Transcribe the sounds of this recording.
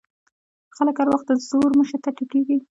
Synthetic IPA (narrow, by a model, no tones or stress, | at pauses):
xaləkaɾwaxt̪̚d̪əzoɾməʃat̪aʈukeɡi